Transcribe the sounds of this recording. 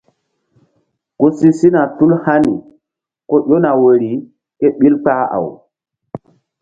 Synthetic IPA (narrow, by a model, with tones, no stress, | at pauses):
ko˦si˦si˦na˨tu˦lha˦nḭ˨ | ko˦ɗo˦na˨we˨ɾi˨˦ | ke˦ɓi˦lk͡pa˦a̰˨w